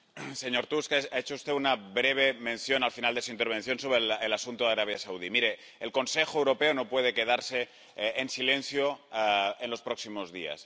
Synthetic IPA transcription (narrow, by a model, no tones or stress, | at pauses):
se̞ɲo̞ɾt̪uskaet͡ʃoust̪eunaβɾe̞β̞e̞mẽ̞nθjo̞nalfinald̪e̞suint̪e̞ɾβ̞ẽ̞nθjo̞nso̞βɾelelasunt̪oðaɾaβ̞jasauð̞imiɾe̞ː | lko̞nse̞xoewɾo̞pe̞ono̞pwe̞ð̞e̞ke̞ð̞aɾse̞ː | nsilẽ̞nθjo | enlo̞spɾo̞ksimo̞zðia̰s